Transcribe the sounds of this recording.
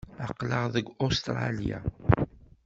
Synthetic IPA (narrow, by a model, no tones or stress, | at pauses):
ɑqːləʁðəɡost̪ɾˤɑ̰lja̰